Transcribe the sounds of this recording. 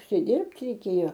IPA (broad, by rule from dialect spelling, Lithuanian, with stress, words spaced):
ʊʃʲsʲɪˈdʲɪrpt rʲɛɪˈkʲeːjoː